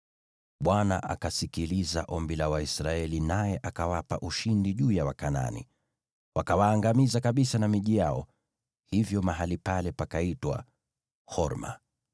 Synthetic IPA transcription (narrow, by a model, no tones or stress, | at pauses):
ɓwana̰ʔa̰kasikiliza̰ʔɔmbilawaisɾaɛlinajɛʔakawapa̰ʔuʃindiʄuːjawakana̰nḭ | wakawaːŋɡamizakaɓisanamiʄijaɔ̰ | hivjɔmaɦalipalɛpakaitwa̰ | hɔɾma̰